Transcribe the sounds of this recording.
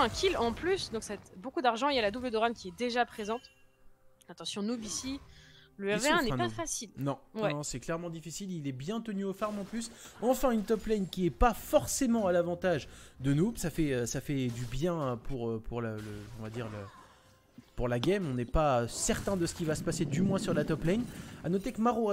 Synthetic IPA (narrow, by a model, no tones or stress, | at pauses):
ɛ̃kʰʲilɑ̃plysd̪ɔ̃ksɛt̪bokud̪aʁʒɑ̃iljalad̪ubləd̪oʁankʲiɛd̪eʒapχezɑ̃t̪ | at̪ɑ̃sjɔ̃nubisiləɛʁveɛ̃nɛɛ̃d̪pafasilnɔ̃wɛnnɔ̃sɛklɛʁmɑ̃d̪ifisililɛbjɛ̃t̪ənyofaʁmɑ̃plysɑ̃fɛ̃ynt̪ɔplɛnkʲiɛpafɔʁsemɑ̃alavɑ̃t̪aʒd̪ənusafɛøsafɛd̪ybjɛ̃pʰuʁøpʰuʁlələɔ̰̃vad̪iʁlə | puʁlaɡɛmɔ̃nɛpasɛʁt̪ɛ̃d̪əsə̥kʲivasə̥pased̪ymwɛ̃syʁlat̪ɔplɛjnanɔt̪ekəmaʁo